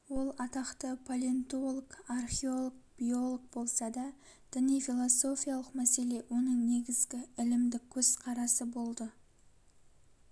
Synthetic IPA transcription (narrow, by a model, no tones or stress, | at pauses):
wo̞lˠɑt̪ɑqt̪əpʰolʲent̪uo̞lˠkarχʲeo̞lˠok̚b̥io̞lˠoɡ̚bo̞lˠsɑd̪ɑ | d̪̥ɪnijfilˠoso̞fʲijalˠəqmæse̞le̞wo̞nəɴne̞ɡʲɪzɡʲɪɪlɪmd̪ɪkʲʰɵz̥qʰɑɾɑsəbo̞lˠd̪ə